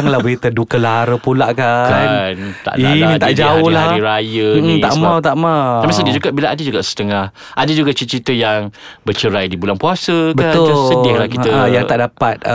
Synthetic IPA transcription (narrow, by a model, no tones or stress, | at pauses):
ŋlahbəɾit̪ədukəlaɾəpulaʔkakant̪a̰ʔainit̪aʔd͡ʒaʊhladiɾajət̪aʔmãwt̪aʔmawamisədid͡ʒuɡaʔbilaadəd͡ʒuɡaʔsə̥t̪əŋah | ʔadəd͡ʒuɡat͡ʃit͡ʃɾit̪əjaŋ | bərt͡ʃəɾajdibulaŋpuasəbəaʊsədɪahlahkit̪əjaŋt̪aʔdapat̪̚